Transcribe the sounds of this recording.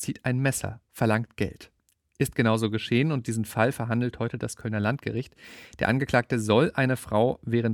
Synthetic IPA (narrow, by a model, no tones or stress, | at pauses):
t͡siːtʔaɪnmɛsɐ̰fɛɐlaŋtɡ̥ɛ̰lt | ʔɪst̚ɡ̥ənaʊzoːɡəʃeːənʊntd̥iːzn̩falfɛɐɦandl̩thɔʏtədaskʰœlnɐlantɡ̥əʁɪçtd̥eːɐʔanɡəkl̥aːk̚təzɔlʔaɪnəfʁ̥aʊvɛːʁ̞ənt